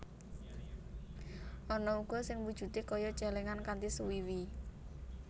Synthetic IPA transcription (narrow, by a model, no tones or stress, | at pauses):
ʔɔnɔuɡ̥ɔ̤sɪŋwud̥ʒ̥ṳt̪ekɔjɔt͡ʃɛleŋankant̪isuwiwi